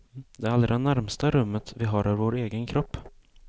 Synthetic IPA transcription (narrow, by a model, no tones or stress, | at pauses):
d̪ɛɾald̪ɾdɛnæɾmst̪aɾɵmːət̪vɪɦaɾœvɾvoːɾeːɡənkʰɾɔpː